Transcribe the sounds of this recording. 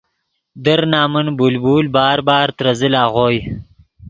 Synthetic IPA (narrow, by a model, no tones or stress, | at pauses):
d̪ɐɾnaːmənbulbuːlbɑːɾbɑːɾt̪ɾɐzilaːʁoːj